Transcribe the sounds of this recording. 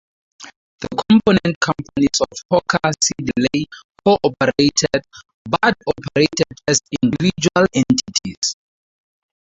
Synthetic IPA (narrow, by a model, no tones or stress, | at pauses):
ðəkʰɔ̃mpʰonɛ̃nt̚kʰãmpʰanisɔfhɔkʰasidilekʰoʔɔpʰɛɹetʰɛd̚ | batɔpʰɛɹetʰɛdɛsĩndivid͡ʒualɛ̃ntʰitʰis